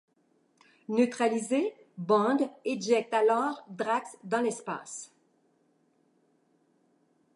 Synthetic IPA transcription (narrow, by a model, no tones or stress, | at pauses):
nøt̪χalize | bɑ̃d̪ɛd͡ʒɛk̚t̪alɔːʁd̪ʁaksd̪ɑ̃lɛspa̰ːs